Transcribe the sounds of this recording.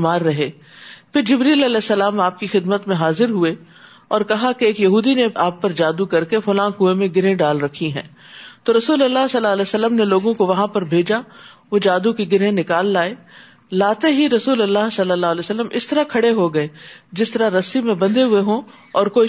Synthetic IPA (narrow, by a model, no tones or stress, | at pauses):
maːɾːɐɦeː | pʰɪɾd͡ʒɪbɾiːlɐlɛːsːɐlaːmaːp̚kixɪd̪mət̪mẽɦaːzɪɾɦʊe | ɔːɾkɐɦakeːkjɐɦuːd̪ineaːpːɐɾd͡ʒaːd̪ukɐɾkefʊlãːkuemẽɡɪɾɦẽɖaːlɾɐkʰiɦɛ̰̃ː | t̪oːɾɐsuːlɐlːaɦsɐlːaːlɛːsəlːəmneloːɡõkoʋɐɦãpɐɾbʱeːd͡ʒa | ʋod͡ʒaːd̪ũkiɡɪɾɦẽnɪkaːlːaːeː | laːt̪eɦiɾɐsuːlɐlːaːɦsɐlːəlːaːɦlɛːsəlːəmɪst̪ɐɾakʰɐɽeɦoɡɐeːd͡ʒɪst̪ɐɾaɾɐsimẽbɐ̃nd̪eɦʊeɦũ | ɔːɾkoːi